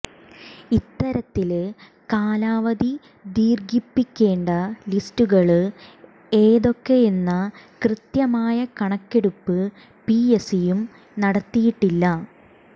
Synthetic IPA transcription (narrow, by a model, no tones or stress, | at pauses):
it̪ːɐɾɐt̪ːil | kaːlaːʋɐði | d̪iːrɡipːikʲːe̞ːɳɖɐlistuɣɐɭ | e̞ːðo̞kːe̞enːɐkrɨt̪jɐmaːjɐkɐɳɐkːe̞ɽupːɨ | piesijum | nɐɽɐt̪ːijiʈːilːɐ